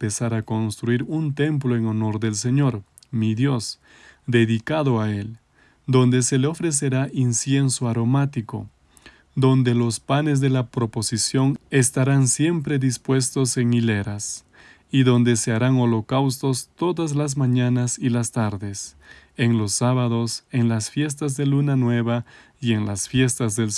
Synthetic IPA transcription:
pesaɾako̞nst̪ɾuiɾunt̪e̞mploeŋo̞no̞ɾðe̞ls̬e̞ɲo̞ɾ | miðjo̞s | d̪e̞ðikaðoael | d̪o̞nd̪e̞se̞leo̞fɾe̞s̬e̞ɾaʔinsje̞nsoaɾo̞mat̪iko̞̰ | d̪o̞nd̪e̞lo̞spane̞z̬ðe̞lapɾo̞po̞sisjo̞ŋe̞st̪aɾansje̞mpɾe̞ðispwe̞st̪o̞se̞ŋileɾas | iðo̞nd̪e̞se̞aɾaŋo̞lo̞kawst̪o̞st̪o̞ðazlaz̬maɲanasilast̪aɾðe̞se̞ŋlo̞sːaβaðo̞se̞ŋlasfje̞s̬t̪azðe̞lunanwe̞βa | ie̞ŋlasfje̞st̪azðe̞l

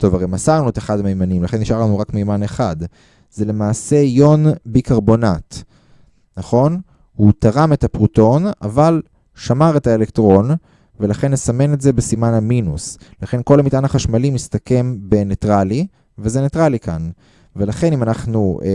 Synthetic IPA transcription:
to̞vaʁejmasaʁnueteχadamejmanimlaχe̞niʃaʁlanuʁakmejmaneχad̪ | z̥e̞le̞maːse̞jo̞nbikaʁbo̞nat | naχo̞n | hutaʁame̞tapʁuto̞na̰val | ʃamaʁethaele̞ktʁo̞n | ve̞laχe̞nːesame̞netze̞besimanaminuslaχe̞nko̞lhamitanaχaʃmalimist̪ake̞mbe̞netʁali | vezenetʁalikan | ve̞laχe̞nimanaχnu

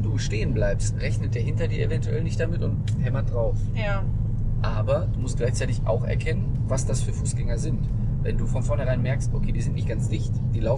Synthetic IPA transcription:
duːʃteːənblaɪpstʁɛçnəd̥eːɐhɪntɐdiːɐʔḛvɛntuʔɛ̰lnɪçt̚d̥amɪtʊnthɛmɐt̚d̥ʁaʊf | ja | ʔaːbɐd̥uːmʊstɡ̥laɪçt͡saɪtɪça̰ʊxʔɛ̰ɐkʰɛnənvasd̥asfyːɐfuːsɡ̥ɛŋɐzɪnt | vɛnduːfɔnfɔɐnhɛɐʁaɪnmɛɐkstʔokʰeːdiːzɪntnɪçt̚ɡ̥ant͡sd̥ɪçt | d̥iːlaʊf

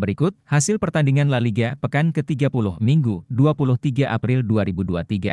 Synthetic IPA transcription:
bəɾikʊt̪̚hasɪlpərt̪andiŋanlaliɡapəkankət̪iɡapulʊhmiŋɡuduapulʊht̪iɡaʔapɾɪlduaɾibudua̰t̪iɡa̰

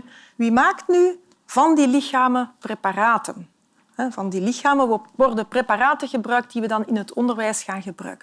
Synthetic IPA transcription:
ʋimaːktny | v̥ɑndilɪxaːməpreparaːtən | ɦɛvɑndilɪxaːməʋɔrdəprepaːraːtəɣəbrœɥk̚t̚diʋədɑnɪnɦətʰɔndərʋɛjsxaːnɣəbrœ̰ːɥkən

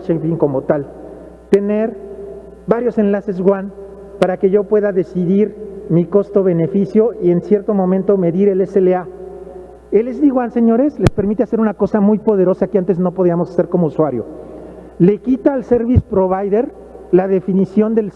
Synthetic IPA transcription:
t͡ʃepiŋko̞mot̪al | t̪e̞neɾ | baɾjo̞se̞nlase̞z̬ɣwan | paɾake̞ʝo̞pwe̞ðaðe̞siðiɾmiko̞st̪o̞βe̞ne̞fisjo̞ʔie̞nsje̞ɾt̪o̞mõ̞mẽnt̪o̞me̞ðiɾe̞leselea | elezðiɣwanse̞ɲo̞ɾe̞sle̞speɾmit̪e̞ase̞ɾunako̞samujpo̞ðe̞ɾo̞sakeant̪e̞zno̞po̞ð̞iamo̞sase̞ɾko̞mouswaɾjo̞̰ | le̞kit̪aːlseɾβispɾo̞βajðe̞ɾ | laðe̞finisjo̞nd̪e̞l

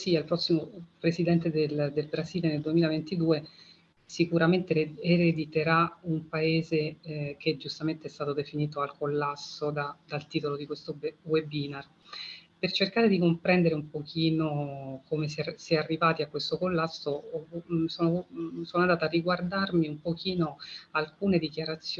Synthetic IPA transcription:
sialpɾɔsːimopɾezid̪ɛnt̪ed̪eld̪elbɾaziːleneld̪uemilavent̪id̪uːe | sikuɾament̪eeɾed̪it̪eɾaumpaeːzeked͡ʒust̪ament̪eɛst̪aːt̪od̪efiniːt̪oalkolːasːod̪ad̪alt̪iːt̪olod̪ikwest̪owebiːnar | pert͡ʃerkaːɾed̪ikompɾɛnd̪eɾeumpokʰiːnokomesɛsjɛarːivaːt̪iakːwest̪okolːasːo | soːnosoːnoand̪aːt̪aːriɡward̪armiumpok̟ʰiːnoalkuːned̪ikjaɾat̪sːj

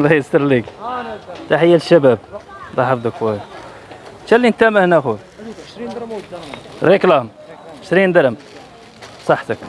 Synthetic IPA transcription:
læjəst̪əɾˤlik | t̪aħəjːælʃːæbæb̚d̪ˤɑħɑfd̪ˤəkwæj | t͡ʃælːint̪æmæhnæxu | ɾiklɑm | əʃɾind̪əɾəm | sˤɑħt̪ək

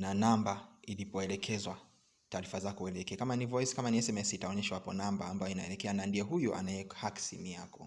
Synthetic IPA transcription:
nanambailipɔɛlɛkʰɛzwa | taːɾifazakɔuɛlɛkɛakamanivɔiskamaniɛsɛmɛsiitaɔɲɛʃawapɔnambaːmbajɔinaɛlɛkɛanandiɛɦujɔʔa̰naɛkḁhaksimiakɔ

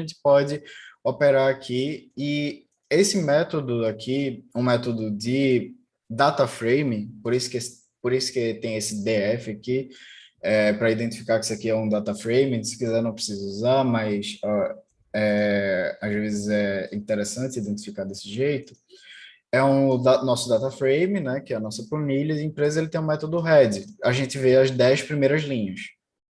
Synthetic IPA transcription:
ɐʒẽnt͡ʃɪ̥pɔd͡ʒɪopeɾaɾakʰiɪ | esɪmɛt̪od̪ʊakʰiũmɛt̪od̪ʊd͡ʒɪ | d̪at̪ɐfɾejmĩpoɾisʊ̥kes | poɾisʊ̥kɪt̪ẽj̃esɪd̪eɛfɪaki | ɛpɾɐid̪ẽnt̪i̥fikaɾkɪ̥sɪakiɛũd̪at̪ɐfɾejmĩsɪ̥kizɛɾnɐ̃w̃pɾɪsizɐuzamɐjsɛ | ɛ | azvezɪzɛĩt̪eɾesɐ̃nt̪ɪid̪ẽnt̪i̥fikaɾd̪esɪʒejt̪ʊ | ɛũd̪anɔsʊd̪at̪ɐfɾejmĩnɛkɪɛɐnɔsɐfɐ̃milɐiẽpɾezɐelɪt̪ẽj̃ũmɛt̪od̪ʊɦɛd͡ʒ̪ɪaʒẽnt̪ɪveɐzd̪ɛjʃpɾimejɾɐzlĩɲɐs

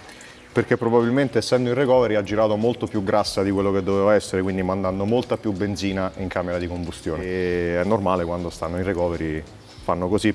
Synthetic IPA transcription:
perk̟epːɾobabilment̪eːsːɛnd̪oirekɔːveɾiad͡ʒːiɾaːt̪omolt̪opjuɡɾasːad̪ikwelːoked̪ːoveːvaɛsːeɾekwind̪imand̪and̪omolt̪apjubːend̪ziːnaiŋkameɾad̪ikombust̪joːneɛnːormaːlekwand̪ost̪anːoirekɔːveɾi | fanːokozi

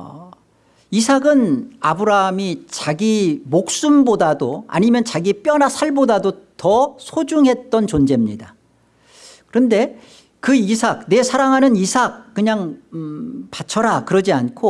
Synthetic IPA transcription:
isʰaɡɯnabɯɾamit͡ɕaɡimok̚s͈umbodadoa̰ɲimjʌnt͡ɕaɡip͈jʌnasʰaɭbodadotʌsʰod͡ʑuŋɦe̞t̚t͈ʌnt͡ɕond͡ʑe̞mɲida | kɯɾʌnde̞ | kɯisʰak̚ne̞sʰaɾaŋɦanɯnisʰak̚k͈ːɯɲaŋ | pat͡ɕʰʌɾakɯɾʌd͡ʑiankʰo

